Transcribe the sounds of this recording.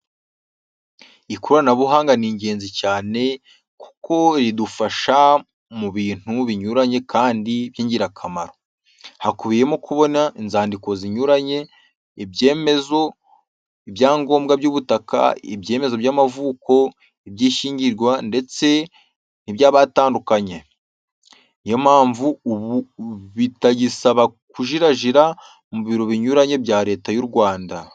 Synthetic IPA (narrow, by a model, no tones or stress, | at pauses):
ikuɾanaβuɦaːŋɡaniːɲɟe̞ːnzicaːne̞ | ku̥ko̞ɾidufaʃa | muβiːn̥huβiɲuɾaɲe̞kʰaːndiβjiːɲɟiɾakʰamaɾo | hakuβije̞mokʰuβo̞nainzaːndiko̞ziɲuɾaɲe̞ | ibɟe̞ːme̞zo̞ | ibjaːŋɡo̞ːmbɡabɟuːβutaka̰ebje̞ːme̞zo̞bjaːmavuːko̞ | ebjiːʃiːɲɟiɾɡwande̞t͡se̞ | niβjaːβaːtaːndukaɲe̞ | jomaːɱvuuβuβitaɟisaβakuʒiɾaʒiɾa | muβiɾo̞βiɲuɾaɲe̞bjaːɾe̞ːtajuɾɡwaːnda